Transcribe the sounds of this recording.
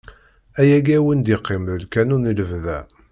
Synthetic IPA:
æjæɡæwənd̪iqːɪmɾəlkænuniləvðæ

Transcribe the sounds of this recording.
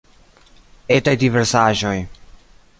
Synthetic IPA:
etajdiveɾsaʒo̞j

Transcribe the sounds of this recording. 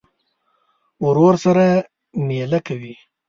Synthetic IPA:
ʊɾoɾsaɾa | melakawi

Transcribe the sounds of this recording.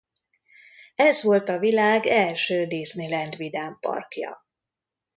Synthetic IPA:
ɛzʋo̞lt̪ɒvilaːɡɛlʃøːd̪eːznilɛnd̪ʋid̪aːmpɒ̰rkjɒ̰

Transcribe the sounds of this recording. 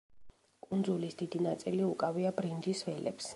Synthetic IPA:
kʼund̪zulisd̪̥id̪inat̪sʼiliukʼaviabɾind͡ʒ̪isvɛlɛ̰ps

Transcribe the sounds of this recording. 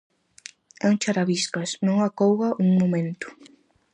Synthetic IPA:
ɛuŋt͡ʃaɾaβiskɐsnõŋakowɣɐʔuŋmomẽnt̪ʊ̥

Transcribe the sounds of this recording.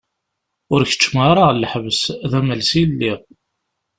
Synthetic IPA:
ʊɾçə̥t͡ʃːəmaɾˤalːəħvəsðæmælsilːi

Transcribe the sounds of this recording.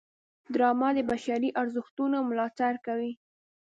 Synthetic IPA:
d̪ɾɑmɑd̪əbaʃaɾiʔaɾzʊxt̪unomʊlɑt̪aɾkawi

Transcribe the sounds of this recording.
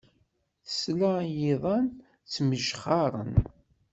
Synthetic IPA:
θə̥slajiðˤɑn | t͡sːməʒχɑɾˤə̰n

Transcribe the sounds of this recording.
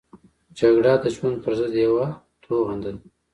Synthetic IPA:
d͡ʒaɡɽad̪əd͡ʒwand̪̚pəɾzəd̪jawa | t̪ʰoɣand̪ən

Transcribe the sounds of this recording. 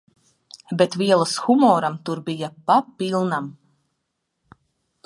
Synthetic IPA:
bet̪viɛlˠasxumɔːɾamt̪uɾbijapapːilˠnam

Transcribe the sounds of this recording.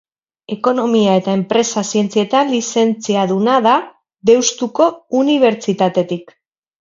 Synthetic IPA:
e̞ko̞no̞miae̞t̪ae̞mpɾe̞sasie̞nt͡sie̞t̪anlise̞nt͡siaðunaða | ðe̞wst̪uko̞uniβ̞e̞ɾt͡sit̪at̪e̞t̪ik

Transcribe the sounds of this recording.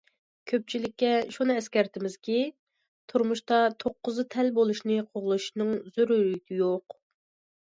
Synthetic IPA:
kʲʰøp̚t͡ʃʰilɪkʲːɛʃunɨɛskʲɛɾt̪ʰɪmɪz̥kʲi | t̪ʰuɾmuʃt̪ɑt̪ʰoqːʊzɨt̪ʰɛlbolˠuʃnɨqʰoʁlˠuʃnɨŋzyɾyyɡʲijoq

